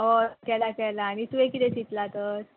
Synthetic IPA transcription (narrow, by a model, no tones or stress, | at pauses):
ɦokɛlakɛjlaːɽ̃it̪uekit̪ɛt͡ɕit̪lat̪əɾ